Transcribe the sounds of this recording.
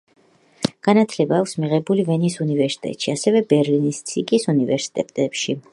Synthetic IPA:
ɡ̥anat̪ʰlɛbaːkʰsmiʁɛbulivɛnisunivɛɾsi̥t̪ʼɛ̰t̪ʼʃiasɛvɛbɛɾlinist̪sʰikʼisunivɛɾsi̥t̪ʼɛt̪ʼɛpʃi

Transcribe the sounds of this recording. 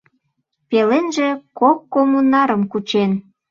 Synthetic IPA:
pelenʒĕkokːomunɑɾəmkut͡ɕen

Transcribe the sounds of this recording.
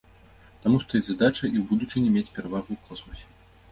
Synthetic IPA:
t̪amust̪ɔjizad̪at͡ʂɐʔiwbud̪ut͡ʂɨnʲɛmʲet͡sʲpʲɛɾavaɣuːkˠɔsmɐsʲɛ̥

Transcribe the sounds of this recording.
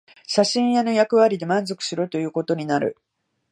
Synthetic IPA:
ɕaɕĩɰ̃jano̞jakɯ̟βaɾʲid̪e̞mãnzo̞kɯ̟̥sɨɾot̪o̞jɯ̟ːko̞t̪o̞ɲ̟inaɾɯ̟̰

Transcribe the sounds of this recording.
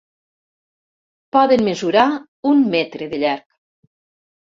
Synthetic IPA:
pɔðenmezuɾa | ummːɛt̪ɾeðeʎaɾk

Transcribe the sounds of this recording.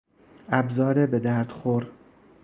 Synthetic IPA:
æbzɒːɾebed̪æɾd̪̥xoɾ

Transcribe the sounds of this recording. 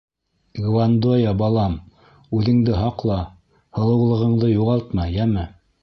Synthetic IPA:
ɡvand̪ojɑbɑlˠɑm | ʉðɘ̆ŋd̪ɘɦɑqlˠɑ | hɤ̆lˠɤ̆wlˠɤ̆ʁɤ̆ɴd̪ɤjuʁɑlˠt̪mɑjjæmɘ

